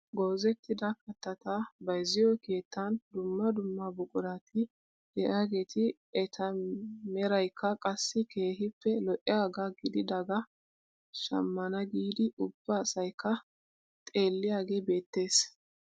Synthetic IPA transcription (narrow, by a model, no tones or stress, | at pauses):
ɡɔːzɛt̪ːɪd̪ɐkɐt̪ːɐt̪abɐjzɪjɔke̞ːt̪ːɐnd̪ʊmːɐd̪ʊmːɐbʊkʼʊɾat̪ʰɪ | d̥ɛʔaːɡe̞ːt̪ɪ | ɛt̪ʰɐmɛɾɐjkʰːɐkʼɐsːɪkʰe̞ːɦɪpːɛlɔʔɪaːɡaɡɪd̪ɪd̪ɐɡɐ | ʃɐ̰mːɐnɐɡiːd̪ɪʔʊb̥ːɐːsɐjkʰːɐ | t̪ʼe̞ːlːɪjaːɡe̞ːbe̞ːt̪ːe̞ːs